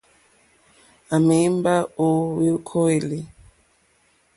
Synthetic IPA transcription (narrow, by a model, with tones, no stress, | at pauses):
a˨me˦mba˦o˦we˦kʰo˦e˨li˨